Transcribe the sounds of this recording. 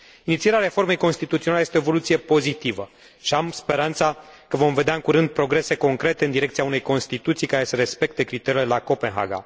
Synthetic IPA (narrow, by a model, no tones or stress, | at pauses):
init̪sieɾeaɾe̞fo̞rme̞jko̞nst̪it̪ut̪ioalejest̪eoevo̞lut̪sije̞po̞zit̪ivə | ʃiamspe̞ɾant̪sakəvo̞mve̞d̪eaɨŋkuɾɨnd̪̚pɾo̞ɡɾe̞se̞ko̞ŋkɾe̞t̪e̞ɨnd̪iɾekt̪sijaune̞jko̞nst̪it̪ut̪sijkaɾe̞səɾe̞spe̞k̚t̪e̞kɾit̪e̞ɾile̞lako̞pe̞nɦa̰ɡa̰